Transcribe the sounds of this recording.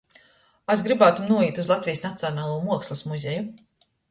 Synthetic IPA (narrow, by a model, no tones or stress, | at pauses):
azɡɾibaːt̪umnuɔiːt̪uzlˠat̪vijsnat̪siɔnaːlˠuːmuɔkslˠasmuzʲeju